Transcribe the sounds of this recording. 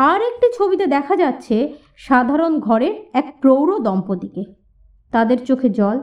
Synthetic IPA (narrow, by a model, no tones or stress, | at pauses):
aɾek̚ʈit͡ɕʰobiʈad̪ɛkʰad͡ʑatːɕʰe | ʃad̪ʱaɾonɡʱɔɾeɾɛk̚ʈɾowɾod̪ɔmpod̪ike | t̪ad̪eɾt͡ɕokʰed͡ʑɔl